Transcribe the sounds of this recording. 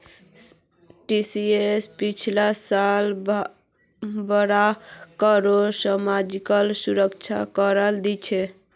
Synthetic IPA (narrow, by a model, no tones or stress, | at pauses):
ʈisiespit͡ʃʰlasal | bəɾakəɾosəmad͡ʒikəlsuɾəkt͡ʃʰa̰kəɾəld̪ɛt͡ʃʰɛ